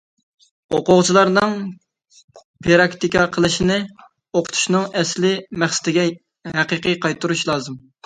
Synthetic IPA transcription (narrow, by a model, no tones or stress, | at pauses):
oqʊʁt͡ʃʰilˠɑɾnɨŋ | pʰeɾɑkt̪ikɑqʰəlˠɨʃinɪ | oqʰʊ̥t̪ʰu̥ʃnɨŋɛslɪmæχsɪ̥t̪ʰɪɡʲɛ | ɦæqəqɨqʰɑjt̪ʰːuɾuʃlˠɑːzɨm